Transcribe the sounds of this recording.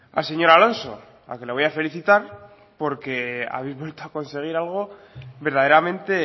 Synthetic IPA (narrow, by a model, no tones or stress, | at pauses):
a̰lse̞ɲo̞ɾalo̞nso̞̰ | a̰ke̞leo̞jafe̞liθit̪aɾ | po̞ɾke̞a̰βejzβwe̞lt̪oako̞nse̞ɣ̞iɾalɣ̞o̞ | βe̞ɾðað̞e̞ɾamẽnt̪e̞